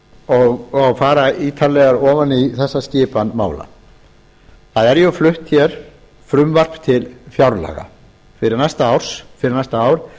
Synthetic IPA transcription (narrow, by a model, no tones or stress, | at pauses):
ɔɣɔɣfaːɾaiːt̪ʰalɛɣaɾɔːvaniθɛsːascɪːpanma̰ːwla̰ | θaðɛɾjœflʏht̪çjɛɾ̥ | fɾʏmvar̥pt̪ʰɪlfjawɾla̰ːɣa̰ | fɪɾɪɾnast̪aaːwɾ̥sfɪɾɪɾnast̪aaːwɾ